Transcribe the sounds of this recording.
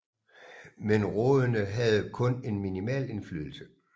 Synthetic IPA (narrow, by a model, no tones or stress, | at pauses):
menʁɔðˠənəɦæð̩ˠkʰɔ̽ne̝nminimɛ̰ːle̝nfly̰ːðˠl̩sə